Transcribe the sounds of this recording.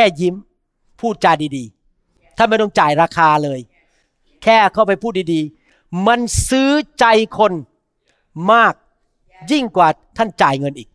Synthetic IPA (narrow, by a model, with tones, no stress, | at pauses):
kɛː˧˥˩ji˦˥m | pʰuː˥˩t̪̚t͡ɕaː˧jdiː˧diː˧ | t̪ʰa˥˩nma˧˥˩jt̪ɔ˥˩ŋt͡ɕaː˨˩jɾaː˧kʰaː˧lɤː˧j | kʰɛː˥˩kʰa˧˥˩wpa˧jpʰuː˥˩t̪̚diː˧diː˧ | ma˧nsɯː˦˥t͡ɕa˧jkʰo˧n | maː˥˩k̚ | ji˥˩ŋkwaː˨˩t̪ʰa˥˩nt͡ɕaː˨˩jŋɤ˧nʔiː˨˩k̚